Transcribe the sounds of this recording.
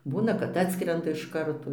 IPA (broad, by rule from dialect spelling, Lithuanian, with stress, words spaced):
ˈbuːnɐ kɐt ˈɑːtskrʲɛndɐ ɪʃ ˈkɐrtoː